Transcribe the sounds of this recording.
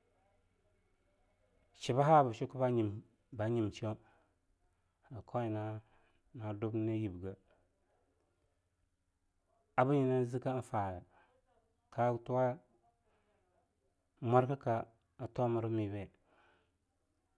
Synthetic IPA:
t͡ʃi˨ba˦ɦa˦˨ba˨ʃu˦ku˦ba˦ɲi˨ | ba˨˦ɲi˨m˨t͡ʃi˦o˦˨ | a˨kʰo˦i˨na˦ | na˨du˦bne˦ji˨bɡa˨ | a˨bu˦ɲi˨na˦zi˦ka˦n˦fa˨ɡa˨ | kʰa˦tu˦wa˦ | mʷa˦ɾka˦ka˨ | a˨to˦ma˨ɾa˦mi˨be˦˨

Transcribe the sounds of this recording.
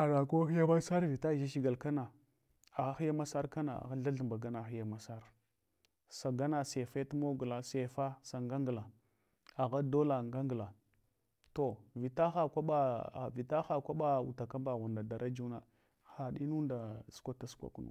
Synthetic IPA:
a˨da˨ko˦xi˦ja˦ba˦sa˦ɾvi˨ta˦ʒa˦ʃi˦ɡa˨lka˦na˨ | a˨ɣa˦xi˦ja˦ma˦sa˦ɾka˦na̰˨a̰˨ɣa˦ɮa˦ɮə˨mba˨ɡa˦na˨xi˦ja˦ma˨sa˦ɾ | sa˨ɡa˦na˨se˨fa˦ta˦mo˦ɡu˨la˨se˨fa˦sa˨ŋɡa˦ŋɡla˨ | a˨ɣa˦do˦la˨ŋɡa˦ŋɡla˨ | to˨vi˨ta˦xa˦˨kʷa˦ɓa˦˨vi˨ta˦xa˨kʷa˦ɓa˦ṵ˨ta˨ka˦mba˨ɣu˨nda˨da˨ɾa˦d͡ʒu˦na˨ | xa˨ɗi˦nu˦nda˨skʷa˦ta˦skʷa̰˨ku˦nṵ˨

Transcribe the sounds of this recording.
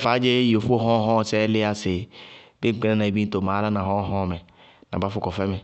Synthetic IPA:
fa˨˦d͡ʒe˦jo˨fu˦o˦ɦɔ̃˦ɦɔ̃˦˨sɛ˦lɪ˦a˦se˨be˦ŋ͡m̩˨k͡pe˦na˦nã˨e˨bĩ˦n˦to˨mã˨˦ɾa˦nã˨ɦɔ̃˦ɦɔ̃˦˨mɛ˨ | nã̰˨ba˦fʊ˦kɔ˨fɛ˦mɛ˨

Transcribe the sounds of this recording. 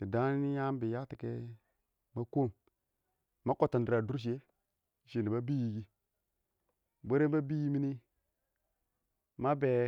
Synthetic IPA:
di˨da˦n˦ni˦ja˦m˦bi˨ja˦ti˨ke˦ | ma˦ko˦˨m | ma˦ko˦˨ta˨ndi˨ɾa˨du˦ɾʃ̬i˨e˦˨ | ʃe˨ni˨ba˦bi˦ji˨ɡi˦ | be˦ɾe˦ba˦bi˦ji˦mi˦ni˦ | ma˦be˨

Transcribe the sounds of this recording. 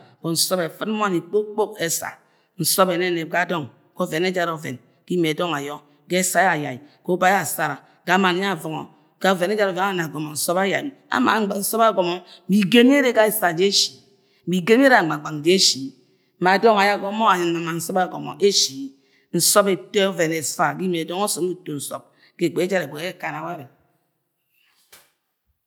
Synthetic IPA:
ko˨n̩˨sɔ˦be˨fɨ˦t̚m̩˦m˦a˦ni˨k͡po˦k͡po˦ke˦sa̰˨ | n̩˨so˦be˨ne˦˨ne˨p̚ka˨˦˨do˦ŋ | ko˦˨ve˨ne˦d͡ʒa˦ɾo˨vḛ˨n | ki˦me˨do˦ŋa˨jo˦ | ke˦sa˦a˨ja˨i˨ko˦ba˦ja˨sa˦ɾa˨ | ka˨˦ma˨n˦a˦˨vɔ˨ŋo̰˨ | ka˦˨ve˨ne˦d͡ʒa˦ɾo˨ve˨˦a˦na˨ɡo˨mo˨n̩˨so˦ba˦ja˨ja̰˨ma̰˨˦˨n̩˦sɔ˦ba˦˨ɡo˨mo˦bi˨ɡe˦m˦e˦ɾe˦ka˦e˨sa˨d͡ʒe˦ʃi̥˨ | bi˨ɡe˦m˦ɾa˨ɡ͡ba˨ɡ͡ba˨ŋ˨d͡ʒe˦e˦ʃi˨ | ma˨dɔ˦ŋa˨ja˦˨ɡo˨˦mo˦a˨ɲɨ˨nma˨ma˨n̩˦sɔ˦ba˦˨ɡo˨mo̰˨ʔe˦ʃi˨ | n̩˨sɔ˦be˨to˦o˦ve˨ne˨sa˨ɡi˦me˨do˦ŋo˦so˨˦u˦to˨n̩˨so̰˨p̚ | ke˨k͡pe˨e˦d͡ʒa˦ɾe˨ɡ͡be˨e˦˨ka˨na˨wa˦ɾe˨

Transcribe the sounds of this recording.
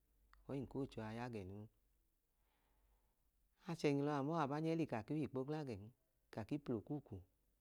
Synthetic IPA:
ɔ˨˦i˦˨ko˦˨t͡ʃo˧a˧ja˦˨ɡɛ˨nu˧˦ | a˧t͡ʃɛ˧˨ɲi˨˧lɔ˧a˨mɔ˦a˨ba˨˦ɲɛ˦li˧ka˨ki˦i˦˨k͡po˦ɡla˦˨ɡɛ˨n˦ | ka˨ki˦plo˨ku˦˨ku˨

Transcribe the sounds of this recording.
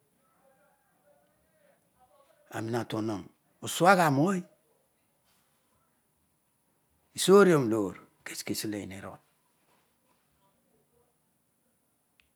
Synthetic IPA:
a̰˨mi˨na˨to˨no˨ŋ | o˨su˦a˦ɣa˨mo˦i˦ | i˨so˦ɾi˦o˦m˨lo˨ɾke̥˨ske˨si˦le˨ḭ˨ne˨ɾo̰˨n

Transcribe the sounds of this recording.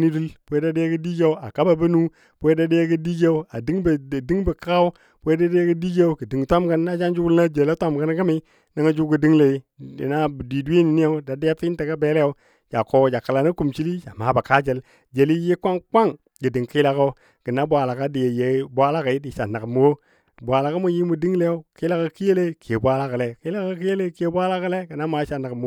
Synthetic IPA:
ni˦du˦lbwe˦da˦de˦ja˦ɡə˦di˦d͡ʒe˦a˨ka˦ba˨bə˦nu˦ | bwe˦da˦de˦ja˦ɡə˦di˦d͡ʒe˦u˦a˨di˦ŋbdi˦ŋbə˨ka˦u̥˦ | we˦da˦da˦ɡə˦di˦d͡ʒe˦u˦ɡə˨di˨ŋtʷa˦mɡa˦nː˦a˦d͡ʒa˦nd͡ʒu˦ɡu˦lna˦d͡ʒe˨la˦tʷa˦m˨ɡa˦n˦ɡa˦mi˦ | na˦ŋa˦d͡ʒu˦ɡə˨di˦ŋle˨ḭ˦˨na˦˨di˨du˦e˦ni˨ni˦a˦da˨di˦ja˦fi˦nte˨ɡa˦be˦le˦ja˨˦ | d͡ʒa˨ko˨d͡ʒa˨ka˨la˨na˦ku˨mt͡ʃi˦li˦d͡ʒa˨ma˨˦ba˨ka˦d͡ʒe˨l | d͡ʒe˨li˦je˦kʷa˦ŋkʷa˦ŋ | ɡə˨di˨ŋki˦la˦ko˦ | ɡ̥ə˨na˦bʷa˨la˨ka˦di˨je˨je˨˦bʷa˦la˦ka˨i˦di˨ʃa˨na˨kmu˨wo˦˨ | bʷa˨la˨ka˦mu˨ji˦mu˨di˦ŋ˦le˦jo˦ki˦la˦ka˨˦ki˦je˦le˦kʰe˨bʷa˦la˦ka˨le˨ki˦la˦ka˦˨ki˦je˦le˦ke˨bʷa˦la˦kə˦le˦ɡə˨na˦ma˨˦ʃa˨na˨km˨˦

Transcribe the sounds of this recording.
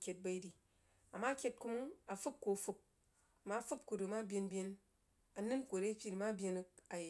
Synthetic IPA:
kʲe˨t̚ba˧i˦di˨ | a˨ma˦kʲe˧˦t̚ku˦mu˦ŋa˨fu˦p̚ko˨fu˦k̚ | ma˦fu˦p̚ku˨ɾɨ˨ma˦bʲe˧nbʲje˧n | a˨nɨ˦nkʷo˨ɾe˦pʲi˦˨ɾi˨ma˦bʲe˧n˦k̚a˨j

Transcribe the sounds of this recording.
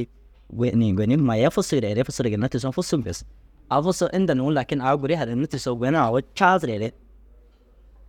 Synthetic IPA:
ɡɛ˨ni˨ɡʷwɛ˨ni˦ma˨ja˦fʊ˦su˦ɡɾɛ˨ɾɛ˦fʊ˦su˦ɾɪ˨ɡɪ˨na˦tɪ˨s̬ɔ˦fu˦su˦m˨fɛ˨s | a˨fʊ˦sɔ˦ʔɪ˦nda˨nu˨wʊ˦la˨kɪ˦na˨˦ɡu˨ɾɪ˦ha˨ɾɪ˨nu˦ti˨sɔ˦ɡʷɛ˨˦na˦a˨wɔ˦t͡ʃa˦zɾɛ˨ɾɛ˦

